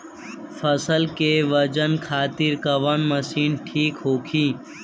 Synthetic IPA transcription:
fʰɐsəlkeʋəd͡ʒənkʰaːt̪ɪɾkɐʋənmɐsiːnʈʰiːkɦoːkʰiː

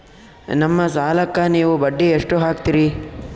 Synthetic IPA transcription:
nɐmːɐsaːlɐkːɐniːʋubɐɖːieʂʈuɦaːk̚t̪iɾi

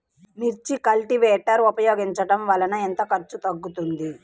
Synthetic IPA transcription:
miɾt͡ʃikɐlʈiʋeːʈɐɾupɐjoːɡiɲt͡ʃɐʈɐmʋɐlɐnɐent̪ɐkɐɾt͡ʃut̪ɐɡːut̪und̪i

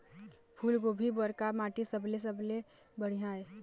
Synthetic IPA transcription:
pʰuːlɡobʱibəɾkamaːʈisəbles̬əble | bəɽ̤iɦãːe

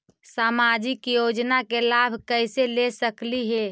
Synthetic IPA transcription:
saːmad͡ʒɪkjod͡ʒnakelabʱkəɪselesəkliɦe

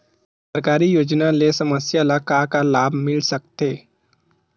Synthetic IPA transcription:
səɾkaːɾijoːd͡ʒnalesəməsjalakakalaːbʱmɪlsək̚t̪eː

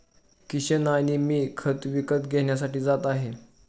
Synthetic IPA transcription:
kiɕənaɽ̃imiːkʰət̪ʋikət̪ɡʱeɳjas̬aʈiːd͡zat̪aɦe

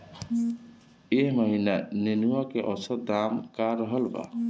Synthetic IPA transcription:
eɦməɦinanenuwakeʔɔsət̪̚d̪amkaɾɔɦəlba̰

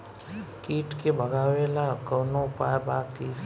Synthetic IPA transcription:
kiːʈkebʱəɡaːʋelakənopajbaːki

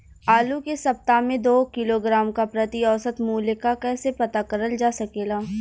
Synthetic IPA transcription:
aːlukesɐp̚t̪amẽd̪oːkɪloɡɾaːmkapɾɐt̪iɔːsət̪muːlekakɛːsepɐt̪aːkəɾəld͡ʒaːsɐkeːɡaː

